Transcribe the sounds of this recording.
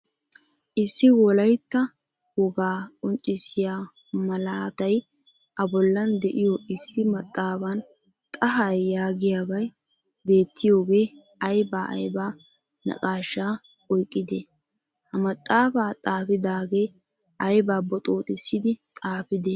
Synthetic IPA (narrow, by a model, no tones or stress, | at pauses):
ʔɪsːɪwɔlɐjt̪ːɐ | wɔɡaːkʼɔnt͡ʃʼːɪsɪjaː | mɐlaːt̪ɐj | ʔɐbɔlːɐnd̪ɛʔɪjɔʔɪsːɪmɐt̪ʼːaːbɐn | t̪ʼɐɦɐjːaːɡɪjaːbɐj | be̞ːt̪ːɪjo̞ːɡe̞ː | ɐjbaːʔɐ̰jbaː | nɐ̰kʼaːʃːaː | ɔjkʼːɪd̪eː | hɐmɐt̪ʼːaːbaːt̪ʼaːfɪd̪aːɡeː | ʔɐjbaːbɔt̪ʼo̞ːt̪ʼɪsːɪd̪ɪt̪ʼaːpɪd̪eː